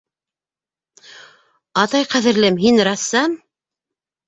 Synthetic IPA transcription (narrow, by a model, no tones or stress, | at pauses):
ɑt̪ɑjqæðɘ̆ɾlɘmɦinrɑsːɑm